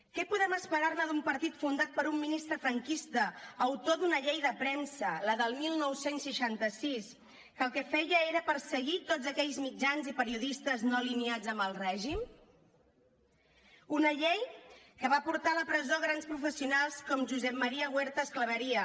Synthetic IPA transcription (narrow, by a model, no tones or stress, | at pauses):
kɛpuðɛməspəɾaɾnəðumpəɾt̪it̪fund̪at̪̚pəɾumːinist̪ɾəfɾəŋkist̪əːwt̪oðunəʎejðəpɾɛmsələðəlˠmilˠnɔwsensːəʃant̪əsis | kəlˠkɛfɛjəeɾəpəɾsəɣit̪ozəkɛʎzmid͡ʒanzipəɾiuðist̪əznoliniad͡zəmbəlˠrɛʒim | unəʎej | kəβapuɾt̪aləpɾəzoɣɾanspɾufəsiunalˠskɔmʒuzɛp̚mːəɾiəɣweɾt̪əːskləβəɾiə